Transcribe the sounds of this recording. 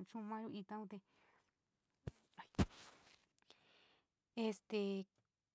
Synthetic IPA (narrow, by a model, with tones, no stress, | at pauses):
t͡ʃũ˦mã˦˧ju˧ʔi˧t̪ã˧ũ˧t̪e˧ | e˧st̪e˧